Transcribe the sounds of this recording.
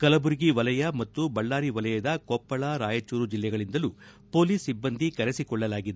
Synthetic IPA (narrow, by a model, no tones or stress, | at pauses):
kɐlɐbuɾiɡiʋɐlɐjɐmɐt̪ːubɐɭːaːɾiʋɐlɐjɐd̪ɐkɔpːɐɭɐɾaːjɐt͡ʃːuːɾud͡ʒilːɛɡɐɭind̪ɐlu | po̞ːliːsibːɐnd̪ikɐɾesikɔɭːɐlaːɡid̪e